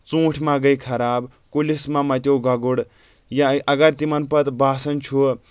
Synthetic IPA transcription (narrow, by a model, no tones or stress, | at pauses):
t͡sũːʈʰmaɡɐjkʰɐɾaːb | kulismamɐt̪jowɡɐɡuɽ | jaʔɐɡɐɾt̪imɐnpɐt̪baːsɐnt͡ʃʰu